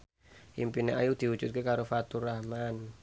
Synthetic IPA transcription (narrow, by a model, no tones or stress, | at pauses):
impineʔajud̪̥iu̥d͡ʒ̥ut̪̚kekaɾofat̪uɾahman